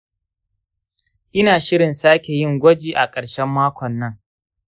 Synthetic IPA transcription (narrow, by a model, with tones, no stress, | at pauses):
ʔɪ˦naː˨ʃɪ˦ɽɪ˨nsaː˦kʲe˨jɪ˦˨ŋɡʷɔ˦d͡ʒiː˨ʔa˨kʼɐ˨ɽʃɛ˦mːaː˦kʷɔ˨nːɐ˦ŋ